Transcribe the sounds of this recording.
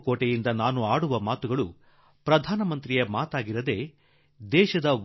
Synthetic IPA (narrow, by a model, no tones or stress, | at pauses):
koːʈejind̪ɐnaːnuaːɽuʋɐmaːt̪uɡɐɭu | pɾɐd̪ʱaːnɐmɐnt̪ɾijemaːt̪aːɡiɾɐd̪e̞ː | d̪ɛːʃɐd̪ɐ